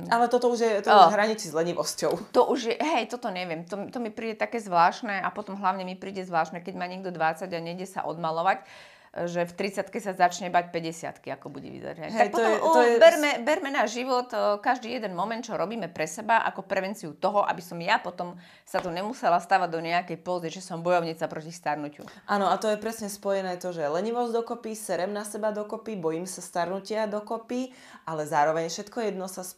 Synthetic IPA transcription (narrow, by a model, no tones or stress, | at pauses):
alɛt̪ɔt̪ɔuʒjɛt̪ɔɦɾaɲit͡sizlɛɲiʋɔscɔʊt̪ɔʔuʒjɛɦɛjt̪ɔt̪ɔɲɛʋɪɛmt̪ɔmt̪ɔmipɾiːɟɛt̪akɛːzʋlaːʃnɛapɔt̪ɔmɦlaʊɲɛmipɾiːɟɛzʋlaːʃnɛkɛɟmaːɲɛɡ̚d̪ɔd̪ʋat͡saɟaɲɛɟɪjɛsa̰ʔɔ̰d̪malɔʋac | ʒɛft̪ɾit͡sat̪kɛcsazat͡ʃɲɛbac̚pɛɟɛsɪa̰t̪kiakɔbuɟɛ̰ʋḭza̰ɾɛlnɛɦ̪akpɔt̪mɛbɛɾmɛbɛɾmɛnaʒiʋɔt̪kaʒd̪iːjɛd̪ɛnmɔmɛnt̪t͡ʃɔɾɔbiːmɛpɾɛsɛbaʔa̰kɔpɾɛʋɛnt͡siut̪ɔɦɔʔa̰bisɔmjapɔt̪ɔm | sat̪ɔɲɛmusɛlast̪aːʋaɟd̪ɔɲɛakɛjpɔziʒɛsɔmbɔjɔʊɲɛt͡sapɾɔcist̪aɾnucṵʔaːnɔat̪ɔjɛpɾɛsɲɛspɔjɛnɛːt̪ɔʒɛlɛɲiʋɔzd̪ɔkɔpisɛɾɛmnasɛbad̪ɔkɔpibɔjimsast̪aɾnucɪad̪ɔkɔpi | ʔalɛzaːɾɔʋɛɲfʃɛt̪kɔjɛd̪nɔsas